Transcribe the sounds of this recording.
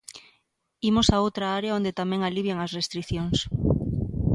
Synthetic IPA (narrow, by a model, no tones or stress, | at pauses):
imosaowt̪ɾaaɾeaond̪et̪amɛ̃ŋaliβjaŋɐsrest̪ɾiθjoŋs